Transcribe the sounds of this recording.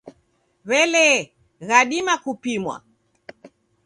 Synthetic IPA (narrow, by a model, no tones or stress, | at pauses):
βɛlɛ | ɣaɗimakupimwa̰